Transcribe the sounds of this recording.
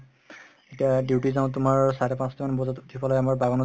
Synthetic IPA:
etijadiwtizaʊ̃t̬ʊmaɹsaɹɛpãstɔmanbɔzɔtutʰipɔlɔjamaɹbaɡɔnɔ

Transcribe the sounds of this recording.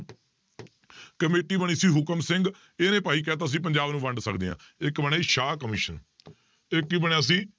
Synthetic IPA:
kəmeːʈiːbəɳ̃iːsiːɦʊkəmsɪ̃ŋɡ | eːnẽːpaːiːk̬ɛːt̪̬aːəs̬ĩːp̬əɲd͡ʒaːbnũːʋəɳɖsə̰kd̪ḛːã̰ː | ɪkbəɳeːʃaːkəmɪːʃən | ɪkːiːbəɳãːs̬ĩː

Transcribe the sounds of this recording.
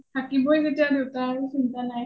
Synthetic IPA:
tʰakibojzetijadewtaesintanaj

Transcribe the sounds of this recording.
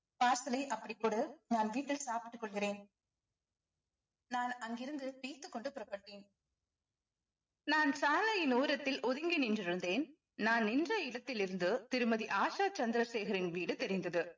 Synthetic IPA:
paːɾsɐlɐɪʔɐpːɐɽɪkːoɽɯnaːnʋiːʈːɪlsaːpɪ̥ʈːɯkːɔɭɣɪɾeːn | naːnɐŋɡɪɾɯnd̪ɯʋiːt̪ːɯkːɔɳɖɯpʊɾɐpːɐʈːeːn | naːnsaːlɐjɪnuːɾɐt̪ːɪlʔɔðɪŋɡɪnɪndrɪɾɯnd̪eːn | naːnːɪndrɐɪɽɐt̪ːɪlɪɾɯnd̪ɯt̪ɪɾɯmɐðiʔaːʂaːt͡ʃɐnd̪ɪɾɐseːɣɐɾɪnʋiːɽɯt̪ɛɾɪnd̪ɐðɯ

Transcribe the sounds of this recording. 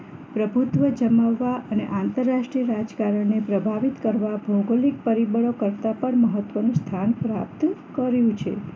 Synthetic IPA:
pɾəbʱut̪ʋəd͡ʒəmaʋːaʔəneʔãnt̪əɾːaʃʈɾiəɾad͡ʒkaɾəɳnepɾəbʱaʋit̪kəɾʋabʱəwɡolik̚pəɾibəɭokəɾt̪apəɳməɦət̪ʋənũst̪ʰanpɾap̚t̪kəɾjũt͡ʃʰḛ

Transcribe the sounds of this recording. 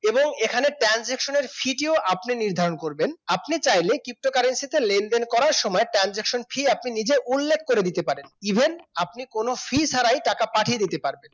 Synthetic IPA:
eboŋekʰaneʈɾand͡ʑekʃoneɾfʰiʈioʔapniniɾd̪ʱaɾonkoɾbenapnit͡ɕajlekɾip̚ʈokaɾensit̪elend̪enkɔɾaɾʃɔmɔeʈɾand͡ʑekʃonfʰiapninid͡ʑeʔulːekʰːkoɾed̪it̪epaɾenibʱenapnikonofʰiʃaɾajʈakapaʈʰied̪it̪epaɾben

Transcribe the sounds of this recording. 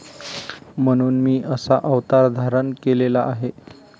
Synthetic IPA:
m̤əɽ̃uːnmiːʔəsaʔəʋt̪aɾd̪ʱaɾənkelelaʔːɦe

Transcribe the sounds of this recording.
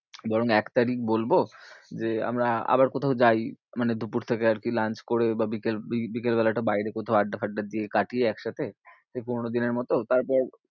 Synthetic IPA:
bɔɾoŋɛkt̪aɾikbolbod͡ʑea̰mɾaa̰baɾkot̪ʰawd͡ʑajmaned̪ʱupuɾt̪ʰekeaɾkilant͡ɕkoɾebabikelibikelbɛlaʈabajɾekot̪ʰaaɖːafʰaɖːad̪ijekaʈijeɛkʃat̪ʰesepuɾnod̪ineɾmɔt̪ot̪aɾpɔɾ

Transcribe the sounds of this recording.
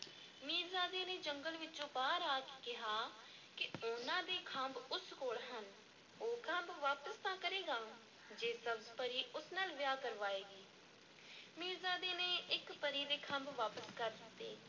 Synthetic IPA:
miːɾzaːd̪eːneːd͡ʒəŋɡəlʋɪt͡ʃõːpaːɾaːkːkɪɦaː | kɪʊnãːd̪eːkʰə̃mbʊskoːɽɦən | oːkʰə̃mbʋaːpəst̪ãːkəɾeːɡaː | d͡ʒeːsəbspəɾiːʔʊsnaːlʋɪjaːkəɾʋaːeːɡiː | miːɾzaːd̪eːneːʔɪkpəɾiːd̪eːkʰə̃mbʋaːpəskəɾd̪ɪt̪ːeː

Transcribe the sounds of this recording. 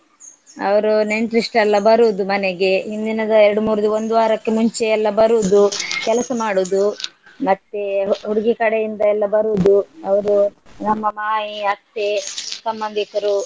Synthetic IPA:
ɐʋɐɾune̞ɳʈɾisʈɛlːɐbɐɾud̪umɐneɡe̞ɦind̪inɐd̪ɐeɾɐɽumuːɾɐd̪uo̞nd̪uʋaːɾɐkːemuɲt͡ʃeɛlːɐbɐɾuːd̪ukɛlɐsɐmaːɽud̪u | mɐt̪ːeɦuɾiɡikɐɽejind̪ɐɛlːɐbɐɾuːd̪uɐʋɐɾunɐmːɐmaːɦiɐst̪ːesɐmbɐnd̪ʱikɐɾu

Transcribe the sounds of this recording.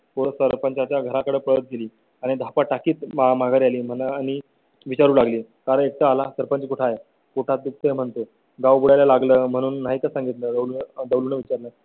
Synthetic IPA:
posəɾpəɲt͡ɕat͡ɕjaɡʱəɾakəɽəpəɭət̪̚ɡeliː | aɽ̃id̪ʱapaʈakiːt̪mamaɡʱaɾialiːm̤ənañi | ʋit͡ɕaɾuːlaɡliːkaɾəek̚t̪əalasəɾpə̃nt͡ɕkuʈʰaje | koʈʰat̪̚d̪uk̚t̪əm̤əɳt̪o | ɡawbuɽajlalaɡləːm̤əɽ̃uːnːaɦik̪asãŋɡit̪ləːd̪əwlud̪əwluːnəʋit͡ɕaɾləː

